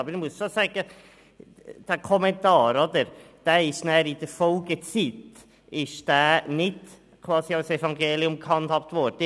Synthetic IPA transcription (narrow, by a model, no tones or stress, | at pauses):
ɑbəɾɪmuəsʃosɛːɡ̥ə | d̥ækʰɔmɛntɑːɾɔdəɾd̥ɛːɪʃnɛːɾidəfɔlɡət͡sit | ɪʃd̥æːnɪt | kʰwɑːsiaʊsɛvɑŋɡeːliʊmkhɑnthɑp̚t̪vɔɾdə